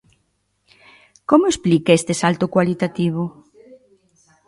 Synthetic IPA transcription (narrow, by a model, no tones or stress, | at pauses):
komoesplikaest̪esalt̪ʊkwalit̪at̪iβ̞o